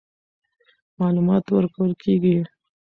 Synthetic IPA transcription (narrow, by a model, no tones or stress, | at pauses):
mɑlumɑt̪wəɾkəwəlkiɡi